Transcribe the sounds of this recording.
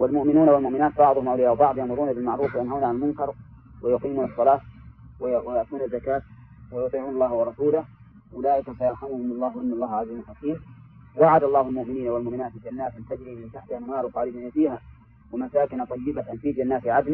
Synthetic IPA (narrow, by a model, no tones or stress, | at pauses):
walmʊʔmɪnuːnawalmʊʔmɪnaːt̪bɑʕd̪ˤʊhʊmʔawlɪjawbɑʕd̪ˤjaʕmʊɾuːnabɪlmaʕɾuːfwajanhaːnʕalalmʊnkɑɾˤ | wajʊqiːmuːnɑsˤːɑlɑːt̪ | wjat̪uːnazːakaːt̪ | wajʊt̪ˤiːʕuːnɑlˤːɑːhwɑɾˤɑsuːlah | ʔʊlaːʔɪkasajɑɾˤħamʊhʊmɑlˤːɑːhʔɪnːɑlːˤɑːhʕaziːmlħakiːm | waʕad̪ɑlˤːɑːhalmʊʔmɪniːnawalmʊʔmɪnaːt̪ɪld͡ʒanːaːt̪ɪnt̪ad̪ɪmɪnt̪aħt̪ɪhamhɑːɾt̪ˤɑːlɪbaafiːha | wamasaːkɪnt̪ˤɑjːɪbat̪anfiːd͡ʒanːaːt̪ɪʕad̪na